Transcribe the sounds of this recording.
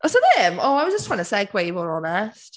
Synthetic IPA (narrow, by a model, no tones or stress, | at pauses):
ʔɔsoðɛmoaɪwɔzd͡ʒəstʰɹãɪnəsɛɡʰweɪmɔɹɔnɛst